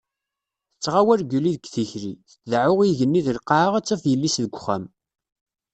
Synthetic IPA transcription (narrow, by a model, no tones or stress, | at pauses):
θət͡sːʁawæɾɡuliðɡθiçɾiθəðʕʊʁiʝənːiðəlqːaʕəʁæt͡sːɑfjəlːisðəɡʷχæm